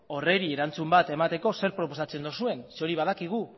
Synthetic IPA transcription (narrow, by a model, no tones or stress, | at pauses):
o̞re̞ɾieɾant͡sumbat̪e̞mat̪e̞ko̞se̞ɾpɾo̞po̞sat͡se̞nd̪osue̞nso̞ɾiβ̞aðakiɣ̞u